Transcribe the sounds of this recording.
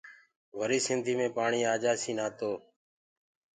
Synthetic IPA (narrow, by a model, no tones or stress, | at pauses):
ʋəɾiːsɪnd̪ʱiːmẽːpaːɳiːaːd͡ʒaːsiːnaːt̪oː